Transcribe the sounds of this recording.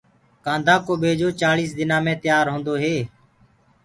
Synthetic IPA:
kãːnd̪ʱaːkoːɓeːd͡ʒoːt͡ʃaːliːsd̪ɪnãːmẽːt̪ɪjaːɾɦõːnd̪oːɦeː

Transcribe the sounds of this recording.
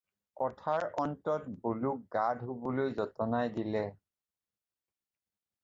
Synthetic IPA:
kɔtʰaɹɔntɔtboluk̚ɡadʱɦubɔlojzɔtɔnajdilɛ

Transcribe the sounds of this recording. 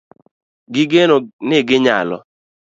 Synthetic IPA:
ɡɪɡenonɪɡɪɲa̰lɔ̰

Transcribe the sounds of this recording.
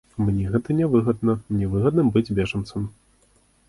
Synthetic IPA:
mnʲɛɣɛt̪ɐnʲɛvɨɣɐd̪nɐnʲɛvɨɣɐd̪nɨmbɨd͡zʲbʲɛʐɐnt̪sɐm

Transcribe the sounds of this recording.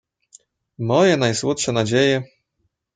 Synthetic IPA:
mɔjɛnajswɔt̪ʂɛnad͡ʑejɛ

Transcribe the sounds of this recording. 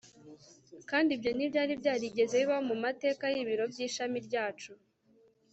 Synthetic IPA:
kaːndibɟo̞nibɟaːɾibjaːɾiɟe̞ze̞iβaomumate̞ːkajiβiɾo̞bɟiːʃamiɾɟaːt͡ʃu

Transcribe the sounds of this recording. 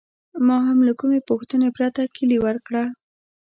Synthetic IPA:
mɑɦamlakumepʊxt̪ənepɾat̪akʰəliwəɾkɽa

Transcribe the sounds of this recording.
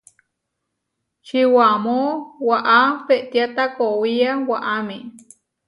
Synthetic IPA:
t͡ʃiwamowaʔapeʔt̪jat̪akowiawaʔamĩ

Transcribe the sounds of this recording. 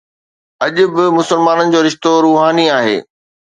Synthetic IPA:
ɐʄʊ̆bɪmʊsəlmaːnənɪ̆d͡ʑoːɾɪʃt̪oɾuːɦaːniaːɦḛː

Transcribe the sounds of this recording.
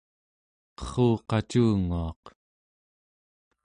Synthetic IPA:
qʌ̥χuːqɑt͡ʃuːŋuɑq

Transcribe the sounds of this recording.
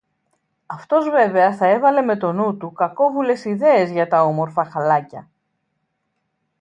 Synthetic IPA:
ɐft̪o̞zve̞ve̞ɐθɐe̞vɐle̞me̞t̪o̞nut̪ukɐko̞vule̞siðe̞ːzʝɐt̪ɐo̞mo̞ɾfɐxɐlɐcɐ

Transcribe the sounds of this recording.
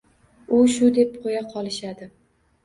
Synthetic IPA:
ʊʃʊd̪e̞p̚qʰojaqʰɒlˠɪʃad̪ɪ

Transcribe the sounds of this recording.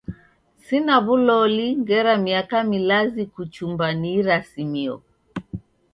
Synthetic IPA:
sinaβulɔliŋɡɛɾamiakamilazikut͡ʃumbaniːɾasimiɔ̰

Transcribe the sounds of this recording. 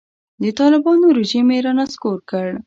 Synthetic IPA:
d̪ət̪ɑlɪbɑnoɾɪʒimeɾɑnaskoɾkəɽ

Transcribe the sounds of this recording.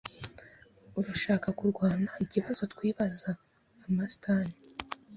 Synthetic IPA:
uɾuʃaːkakuɾɡwaːnaiciβazo̞twiːβazaː | masi̥tʰaːni

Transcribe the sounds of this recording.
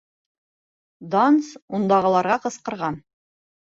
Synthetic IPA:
d̪ansund̪ɑʁɤ̆lˠɑɾʁɑqɤ̆sqɤ̆ɾʁɑn

